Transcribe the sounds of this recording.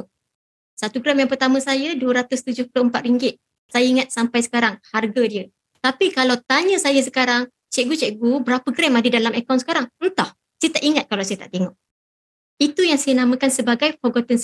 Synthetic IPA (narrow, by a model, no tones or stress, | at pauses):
sat̪uɡɾɛmjaŋpərt̪amə̃sajəduəɾat̪ʊst̪ud͡ʒʊhploəmpat̪̚riŋɡɪt̪̚ | sajaiŋat̪̚sampajsə̥kaɾaŋharɡadiə | t̪apikalawt̪aɲə̃sajəs̬ə̥kaɾaŋ | t͡ʃɛʔɡut͡ʃɛʔɡubəɾapəɡɾɛmadədalamɛkaw̃nsə̥kaɾaŋnt̪ɔh | sajət̪aʔiŋat̪̚kalawsajət̪a̰ʔt̪eŋɔʔ | it̪ujaŋsajənamə̃kansəbaɡajfɔɡɔt̪ɔns